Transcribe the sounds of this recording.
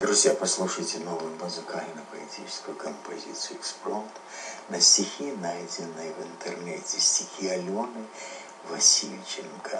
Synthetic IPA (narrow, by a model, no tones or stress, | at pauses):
d̪ɾuzʲjapaslˠuʂɐjt͡sʲɛnɔvɨjmuzɨkamʲinɐpɐlʲit̪ʰʲit͡ʃɪ̥skʊjukɐmpʰazʲit̪sɨjuɛksplˠɔt̪ | nɐsʲtʲixʲinajd͡zʲɪnːɨjɐvɨnt̪ɛrnɛt͡sʲɛsʲtʲixʲialʲɔnɨ | vasʲilʲt͡ʃɛnkɐ